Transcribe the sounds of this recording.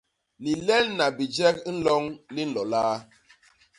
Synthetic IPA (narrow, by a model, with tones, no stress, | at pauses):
li˨lɛ˦lna˨bi˨d͡ʒɛ˦kn̩˦lɔ˦ŋli˦n̩˦lɔ˨laː˦